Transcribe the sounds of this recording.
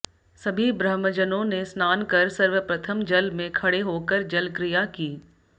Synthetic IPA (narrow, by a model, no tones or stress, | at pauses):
sɐbʱibɾəɦməd͡ʒənõnesnaːnkɐɾsɐɾʋəpɾɐt̪ʰəmd͡ʒɐlmẽkʰɐɽeɦoːkəɾd͡ʒɐlkɾijakiː